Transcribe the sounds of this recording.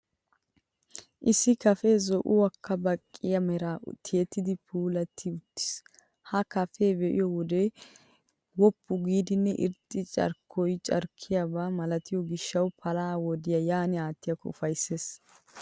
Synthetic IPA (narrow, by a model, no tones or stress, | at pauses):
ʔɪsːɪkɐfeːzɔʔʊwɐkʰːɐbɐkʼːɪjɐmɛɾat̪ʰɪjɛt̪ːɪd̪ɪpʰuːlɐt̪ʰːɪʊt̪ːɪ̥s | hɐkɐfeːbɛʔɪ̰jɔwɔd̪ɛ | wɔpʰːʊɡiːd̪ɪnːɛʔɪ̰ɾt̪ʼːɪt͡ʃʼɐ̰ɾkʰːɔjt͡ʃʼɐ̰ɾkʰːɪjabaːmɐlɐt̪ɪjɔɡɪʃːɐwpʰɐlaːwɔd̪ɪjɐjaːnɪaːt̪ːɪjɐkɔʊfɐjsːe̞ːs